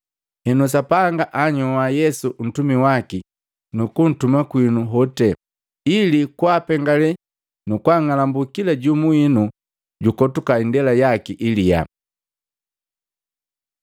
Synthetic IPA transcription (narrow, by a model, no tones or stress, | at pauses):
hɛnus̬apaŋɡaʔaɲɔwajɛsuʔn̩tumiwaki | nukun̩tumakwinuɦɔtɛ | ilikwaːpɛŋɡalɛ | nukwaŋalambukilaɟumuinu | ɟukɔtukaindɛlajakiʔilija̰